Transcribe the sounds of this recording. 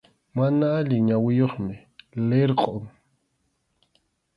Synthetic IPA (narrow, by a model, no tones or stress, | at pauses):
manaːʎɪɲawɪjoχmɪ | leɾqʼoŋ